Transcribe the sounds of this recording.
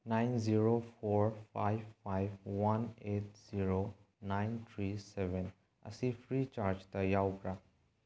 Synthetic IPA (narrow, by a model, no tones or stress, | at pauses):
najnziɾopʰoɾpʰajbːajbwanet̚z̥iɾo | najntʰɾisebʱen | ɐ̰sipʰɾit͡ʃaɾd͡ʒtɐjawkɾa